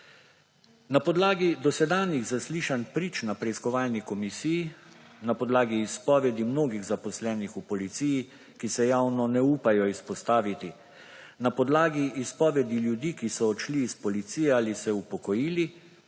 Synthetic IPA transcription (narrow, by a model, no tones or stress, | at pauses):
napɔd̪laːɡid̪ɔsɛd̪aːniɣzasliːʃanpɾiːt͡ʃnapɾɛiskɔʋaːlnikɔmisijinapɔd̪laːɡiːspɔːʋɛd̪imnoːɡiɣzapɔslɛːnixupɔlit̪siːji | kisɛjawnɔnɛuːpajɔispɔst̪aːʋit̪i | napɔd̪laːɡiʔːspɔːʋɛd̪iljud̪iːkisɔːt͡ʃliːspɔlit̪siːjɛaːlisɛupɔkɔjiːli